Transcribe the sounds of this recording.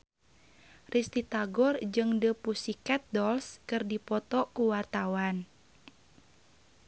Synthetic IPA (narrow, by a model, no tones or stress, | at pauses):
rʔist̪it̪aɡɔrd͡ʒɨŋdəpusikat̪̚dɔlskɨrdipɔt̪ɔkuwart̪awan